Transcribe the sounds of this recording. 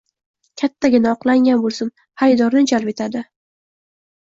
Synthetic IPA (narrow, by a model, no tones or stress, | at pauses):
kʲʰat̪ːaɡʲɪnaɒqlˠaŋɡʲanbolˠsɪn | hajd̪ɒɾnɪd͡ʒalˠpe̞t̪ʰad̪ɪ